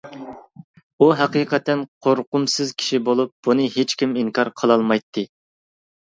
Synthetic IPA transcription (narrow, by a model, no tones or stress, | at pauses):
uɦæqiːqʰət̪ɛnqʰoɾqʊmsɨzkʲʰi̥ʃibolˠup̚b̥unɨɦet͡ʃkʲimiŋkʰɑɾqʰəlˠɑlˠmɑjt̪ʰːɨ